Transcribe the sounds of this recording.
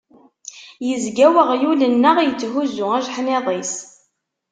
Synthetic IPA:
jəzɡæwəʁjulənːəʁjət͡sːɦuzʊæʒħmeðˤis

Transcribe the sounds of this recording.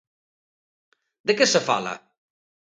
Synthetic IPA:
d̪əkəsəfa̰lɐ̰

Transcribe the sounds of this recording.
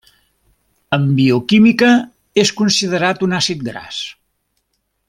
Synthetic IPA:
əmbiukimikə | eskunsið̞əɾat̪unasit̪̚ɡɾa̰s

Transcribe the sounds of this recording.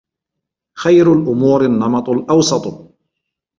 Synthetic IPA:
xajɾʊlʔʊmuːɾɪnːɑmɑt̪ˤlʔɑwsˤɑt̪ˤ

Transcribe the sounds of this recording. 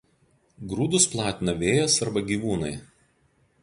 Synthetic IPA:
ɡɾuːd̪ʊsplˠɑːt̪ʲɪnɐʋʲeːjosɐɾbɐɡʲiːʋuːnɐɪ

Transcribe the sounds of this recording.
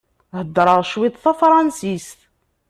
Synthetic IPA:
həd̪ːɾˤəʁʃwit̪ˤθæfɾˤɑnsist̪

